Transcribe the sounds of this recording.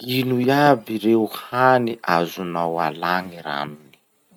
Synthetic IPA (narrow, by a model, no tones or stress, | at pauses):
inujabiɾewhaniʔazunawa̰laŋiɾa̰mini̥